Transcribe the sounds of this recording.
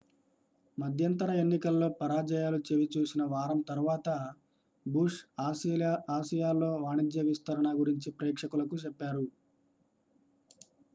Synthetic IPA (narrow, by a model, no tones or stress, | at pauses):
mɐd̪ʱjɐnt̪ɐɾɐe̞nːikɐlːo̞ːpɐɾaːd͡ʒɐjaːlut͡ʃeʋit͡ʃuːsinɐʋaːɾɐmt̪ɐɾuʋaːt̪ɐ | buʂ | aːʃijaːlːo̞ːʋaːɳid̪jɐʋist̪ɐɾɐɳɐɡuɾiɲt͡ʃipɾɛːkʂɐkulɐkut͡ʃɛpːaːɾu